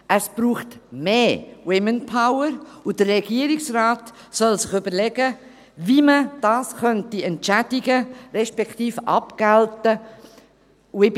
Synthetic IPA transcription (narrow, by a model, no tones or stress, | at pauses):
ʔəsb̥ɾuːχtmeːwɪmənpʰaʊəɾud̥əɾɛɡ̥iəɾɪksraːt | sɔlsɪχøbəɾlɛɡə | viməd̥ɑːskœntiɛntt͡ʃædiɡəɾɛʃpɛktiːfɑ̰pɡ̥æltə | ɪ